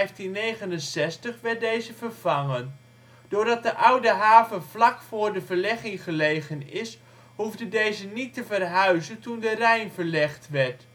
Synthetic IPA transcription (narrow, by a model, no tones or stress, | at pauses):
ɛjftinːejχənənsɛstəχʋɛɹt̚dejzəvərv̥ɑŋən | d̥ʊːɹdɑt̚dəʔʌwdəɦaːvənvlɑkfʊːɹdəvəɹlɛχɪŋχəlejχənɪs | huvdəndejzənitəvərɦœɥzəntundərɛjnvəɹlɛχtʋɛɹt